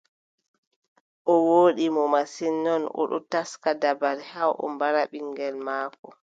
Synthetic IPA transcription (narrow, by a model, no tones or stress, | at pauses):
ʔɔwoːɗimɔmasinːɔnʔɔ̰ɗɔ̰taskadabaɾhawʔɔ̰mbaɾaɓiŋɡɛlmaːkɔ